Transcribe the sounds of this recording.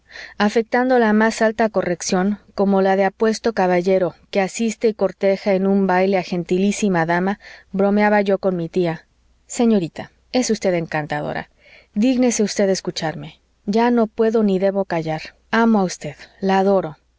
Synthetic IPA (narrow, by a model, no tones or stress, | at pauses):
afe̞k̚t̪and̪o̞lamasalt̪ako̞re̞ksjo̞ŋko̞mo̞laðe̞apwe̞st̪o̞kaβaʝe̞ɾoke̞asist̪e̞iko̞ɾt̪e̞xae̞nũmbajle̞axe̞nt̪ilisimaðamaβɾo̞meaβaʝo̞ko̞nmit̪ia | se̞ɲo̞ɾit̪a | e̞sust̪e̞ðe̞ŋkant̪aðo̰ɾa̰ | ðiɣne̞seust̪e̞ðeskut͡ʃaɾme̞ | ɟ͡ʝano̞pwe̞ðo̞niðe̞βo̞kaʝaɾ | amoaust̪e̞ðlaːðo̞ɾo̞